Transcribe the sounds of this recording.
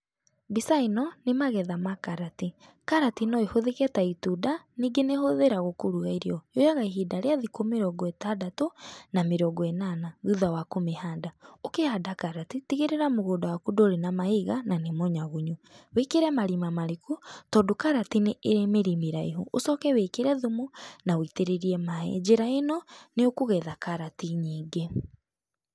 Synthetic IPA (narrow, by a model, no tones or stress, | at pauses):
bisainɔnemaɣɛðamakaɾati | kaɾatinɔehoðekɛtaitudaniːɡenehoðeɾaɣokoɾuɣaiɾiɔjojaɣaiɦidaɾeaðikomeɾɔɡɔɛtadatonameɾɔɡɔɛnanaðuðawakomehaːndaokehadakaɾatitiɣeɾeɾamoɣoːdawakudooɾenamahiɣananemɔɲaɣuɲuwekeɾɛmaɾimamaɾekutɔdokaɾatineʔːɾemeɾimiɾaeɦoʔosɔkɛwekeɾɛðomonawiteɾeɾiɛmaɛ̰d͡ʒeɾaenɔneokoɣɛðakaɾatiɲiːɡe